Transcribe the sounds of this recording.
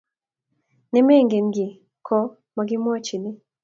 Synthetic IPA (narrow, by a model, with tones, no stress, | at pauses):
nɛ˦me˦˨ŋɡe˨nɡɪ˨ | kʰɔ˦ | ma˨ɡɪ˦mwɔ˦t͡ʃi˨nɪ˦